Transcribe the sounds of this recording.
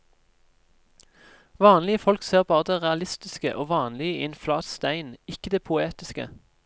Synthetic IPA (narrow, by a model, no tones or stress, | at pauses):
ʋɑːnlɪəfɔlkseːʁbɑːʁəd̪eːʁɛɑlɪst̪ɪskə̰ʔoːʋɑːnlɪəɪnflɑːt̪st̪æɪnɪkəd̪eːpʰʊeːt̪ɪskə̰